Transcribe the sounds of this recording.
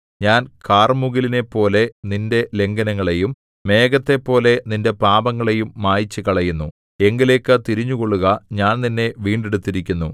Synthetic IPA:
ɲaːnkaːrmuɣiline̞pːo̞ːle̞ninde̞le̞ŋɡɐnɐŋːɐɭe̞jumː | e̞ːɡɐt̪ːe̞pːo̞ːle̞ninde̞paːbɐŋːɐɭe̞jumːaːjit͡ɕːɨkɐɭɐjunːu | e̞ŋɡile̞ːkːɨt̪iɾiɲːuko̞ɭːuɣɐɲaːnninːe̞ʋiːɳɖeɽut̪ːiɾikʲːunːu

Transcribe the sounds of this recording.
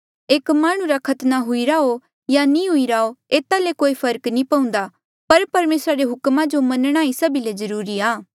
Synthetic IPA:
eːkmaːɽ̃ũɾakʰɐt̪naɦʊiɾao | janĩɦʊiɾaːoeːt̪alekoːipʰɐɾknĩpɐũːnd̪a | pɐɾpɐɾmeːsɾaɾeɦʊkmãd͡ʒomɐnəɽ̃aːisɐbilezɐɾuːɾiaː

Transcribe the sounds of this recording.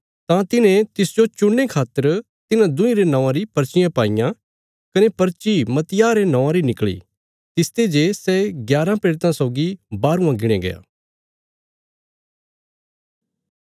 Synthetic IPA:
t̪ãt̪ɪnẽt̪ɪsd͡ʒot͡ʃʊɽːekʰaːt̪ːəɾ | t̪ɪnãd̪ʊ̃ĩɾenɐ̃ːãɾipɐɾt͡ʃɪjãpaːɪjã | kɐnepɐɾt͡ʃimɐt̪jaːɾenɐ̃ːãɾinɪkɭḭ | t̪ɪst̪ed͡ʒesɛɡjaːɾãpeːɾt̪ãsɔʊɡibaːɾũãɡɪɽ̃ẽɡɐ̰ja̰ː

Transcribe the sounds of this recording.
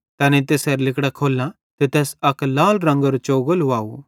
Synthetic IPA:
t̪ɛːnẽt̪̬eːseɾlɪkɽakʰoːlːã | t̪et̪ɛːsɐklaːlɾɐ̃ŋɡəɾot͡ʃoːɡəlʋaːu

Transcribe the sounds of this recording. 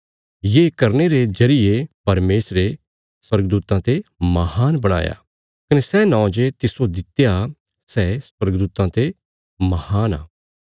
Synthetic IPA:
jeːkɐɾneɾed͡ʒɐɾɪjepɐɾmeːsɾe | swɐɾɡd̪uːt̪ãt̪emɐhaːnbɐɽ̃a̰ːja̰ | kɐnesɛːnãːd͡ʒet̪ɪsod̪ɪt̪ja | sɛːswɐɾɡd̪uːt̪ãt̪e | mɐhaːna̰ː

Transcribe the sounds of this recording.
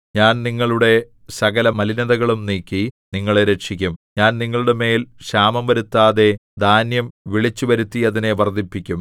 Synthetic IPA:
ɲaːnniŋːɐɭuɽe̞ | sɐɣɐlɐmɐlinɐðɐɣɐɭumniːkːiniŋːɐɭeɾekʂikʲːumɲaːnniŋːɐɭuɽe̞me̞ːlɕaːmɐmʋɐɾut̪ːaːðe̞d̪ʱaːnjɐmʋiɭit͡ɕːuʋɐɾut̪ːiɐðine̞ʋɐrd̪ipːikʲːum

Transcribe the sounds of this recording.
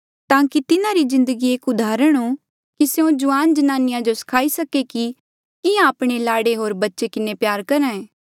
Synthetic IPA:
t̪ãːkit̪ɪnãɾizɪ̃nd̪əɡieːkʊd̪ʱaːɾəɽ̃ɦo | kiseõd͡ʒʊaːnd͡ʒɐnaːnɪjãd͡ʒosɐ̥kʰaːisɐkeki | ɪjãɐpɽ̃elaːɽeɦoːɾbɐtːʃekɪnepjaːɾkɐɾãːeː

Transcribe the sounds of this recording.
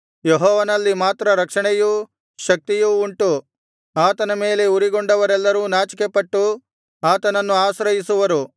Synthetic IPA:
jeɦɔːʋɐnɐlːimaːt̪ɾɐɾɐkʂɐɳejuː | ʃɐk̚t̪ijuːɳʈu | aːt̪ɐnɐme̞ːle̞uɾiɡo̞ɳɖɐʋɐɾɛlːɐɾuːnaːt͡ʃikepɐʈːu | aːt̪ɐnɐnːuaːsɾɐjisuʋɐɾu

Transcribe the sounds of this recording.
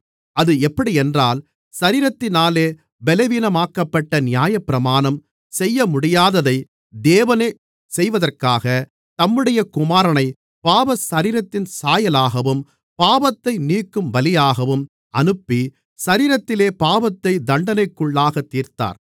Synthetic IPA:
ɐðɯɛpːɐɽiɛndraːl | sɐɾiːɾɐt̪ːɪnaːleː | bɛlɐʋiːnɐmaːkːɐpːɐʈːɐnɪjaːjɐpːɪɾɐmaːnɐm | sɛjːɐmʊɽɪjaːðɐðɐɪ | d̪eːʋɐneː | sɛjʋɐðɐrkaːɣɐ | t̪ɐmːɯɽɐjɐkʊmaːɾɐnɐɪ | paːʋɐsɐɾiːɾɐt̪ːɪnsaːjɐlaːɣɐʋɯm | paːbɐt̪ːɐɪniːkːɯmʋɐlɪjaːɣɐʋɯm | ɐnɯpːi | sɐɾiːɾɐt̪ːɪleːpaːʋɐt̪ːɐɪd̪ɐɳɖɐnɐɪkːɯɭːaːɣɐt̪ːiːɾt̪a̰ːɾ

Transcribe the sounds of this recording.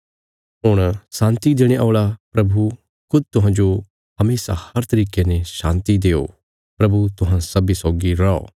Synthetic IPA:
ɦʊɽ̃sãːnt̪id̪eːɽ̃eʔɔːɭapɾɐbʱu | kʊd̪̚t̪ʊɦãːd͡ʒo | hɐmeːsa̰hɐɾt̪ɐɾiːkeneʃãːnt̪id̪eːo̰ | pɾɐbut̪ʊɦãsɐbisɔːɡiɾɐo̰ː

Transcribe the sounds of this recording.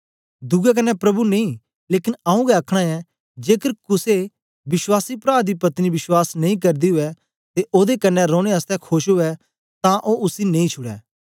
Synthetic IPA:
d̪ʊɡɛk̬ɐnːɛpɾɐbunẽĩ | leːkɪnaũɡɛɐkʰɽ̃ãɛ | d͡ʒeːkəɾkʊse | bɪswaːsipɾaːɾd̪ipɐt̪nibɪswaːsnɐ̃ĩk̬ɐɾd̪iɦʊɛ | t̪eʔoːd̪ekɐnːɛɾõːɽ̃eəst̪ɛkʰoːʃɦʊɛ | t̪ãʔoʊsinɐ̃ĩt͡ʃʰʊɽɛ̰ː

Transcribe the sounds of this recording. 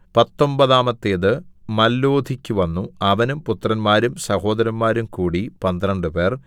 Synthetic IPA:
pɐt̪ːo̞mbɐðaːmɐt̪ːeːðɨmɐlːoːd̪ʱikʲːuʋɐnːuɐʋɐnumput̪rɐnmaːɾumsɐho̞ːd̪ɐɾɐnmaːɾumkuːɽipɐnd̪ɐɾɐɳɖɨpe̞ːr

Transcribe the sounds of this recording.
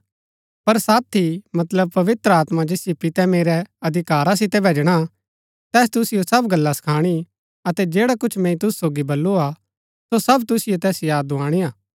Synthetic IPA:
pɐɾsaːt̪ʰːimɐt̪ləb̚pɐʋɪt̪ɾəaːt̪mad͡ʒeːsjipɪt̪ɛmeːɾɛɐd̪ʱɪkaːɾas̬ɪt̪ɛbʱeːd͡ʒɽ̃a | t̪ɛːst̪ʊsɪjosɐbɡɐlːasɐ̥kʰaːɽ̃i | ɐt̪ɛd͡ʒeːɽakʊt͡ʃʰmɛ̃ĩt̪ʊsu̥soːɡibɐlːua | sosɐbt̪ʊsɪjot̪ɛːsjaːd̪ʊãːɽ̃ijaː

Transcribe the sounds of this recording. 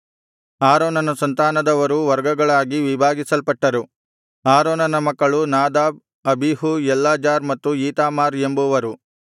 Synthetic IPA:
aːɾoːnɐnɐsɐnt̪aːnɐd̪ɐʋɐɾuʋɐɾɡɐɡɐɭaːɡiʋibʱaːɡisɐlpɐʈːɐɾu | aːɾoːnɐnɐmɐkːɐɭunaːd̪aːb̚ | ɐbʱiɦujɛlːaːd͡ʒaːɾmɐt̪ːuiːt̪aːmaːɾembuʋɐɾu

